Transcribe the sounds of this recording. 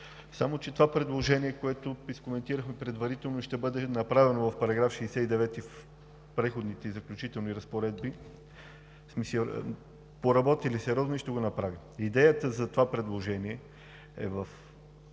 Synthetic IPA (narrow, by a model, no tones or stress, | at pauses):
samot͡ʃɛt̪ovapɾɛd̪lˠoʒɛniɛkoɛt̪ʊiskomɛnt̪iɾəxmɛpɾɛd̪vɐɾit̪ɛlˠnoiʃt̪ɛbɤd̪ɛnɐpɾavɛnovɐfpɐɾɐɡɾafʃɛːsɛid̪ɛvɛt̪if | pɾɛxod̪nit̪ɛzɐklʲut͡ʃit̪ɛlˠniɾɐspoɾɛd̪bi | smisḭ | poɾɐbɔt̪ilisɛɾʲɔznoiʃt̪ɛɡonɐpɾavi | id̪ɛjət̪əzɐt̪ovapɾɛd̪lˠoʒɛniɛ | ɛ̰vəf